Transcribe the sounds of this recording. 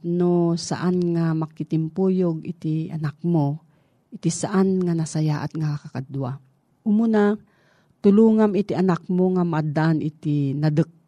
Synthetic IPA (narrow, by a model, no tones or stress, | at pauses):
nosa̰ʔanŋamakɪt̪ɪmpujoɡɪt̪ɪa̰nak̚mo | ʔɪt̪ɪsaʔanŋanasajaʔat̪ŋakakakad̪wa | ʔʊmʊna | t̪ʊluːŋamɪt̪iʔanak̚moŋamaʔad̪aʔanʔɪt̪inad̪ək̚